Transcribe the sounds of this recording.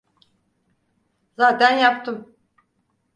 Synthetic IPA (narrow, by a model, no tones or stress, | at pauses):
zaːt̪ʰænjap̚t̪ʰɯm